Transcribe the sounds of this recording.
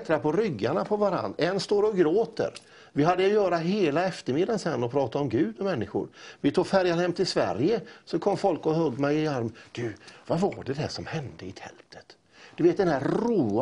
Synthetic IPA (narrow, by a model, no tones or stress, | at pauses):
t̪ɾapʰɔɾʏɡːaɳapʰɔvaɾa̰nɛnːst̪oːɾɔɡɾoːt̪ə̰ɾ | vɪɦad̪ːəjjœːɾaɦeːlaɛft̪əɾmɪd̪ːansɛnːɔpʰɾɑːt̪aɔmɡʉ̟ːd̪ɔmːɛnːɪɧʊ̰ɾvɪt̪ʰuːɡfæɾjaɾhɛmːt̪ʰɪlsvæ̰ɾjəsɔkʰɔmːfɔlkɔhɵɡ̪ːmɛjɪaɾmd̪̥ɵvavaɖɛd̪ɛʂɔmhɛnd̪əɪt̪ʰɛ̰lt̪ʰə̥t̪ | d̪̥ɵveːt̪̚d̪ɛnd̪æruː